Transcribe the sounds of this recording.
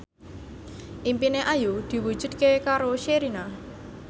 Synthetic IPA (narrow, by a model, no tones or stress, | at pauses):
ʔimpineʔajud̪̥i̤wud̥ʒ̥ṳd̪̚kekaɾoʃeɾina